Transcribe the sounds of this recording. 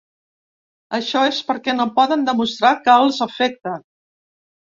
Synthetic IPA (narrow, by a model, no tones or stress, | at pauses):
əʃɔespəɾkɛnopɔðənd̪əmust̪ɾakəəlˠzəfɛk̚t̪ən